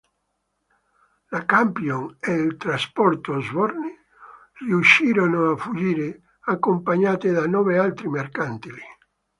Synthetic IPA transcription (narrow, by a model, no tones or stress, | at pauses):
lakampjoŋeilt̪ɾaspɔrt̪ozvɔrni | riuʃːiːɾonoafud͡ʒiːɾe | akːompaɲaːt̪ed̪anɔːvealt̪ɾimerkant̪ili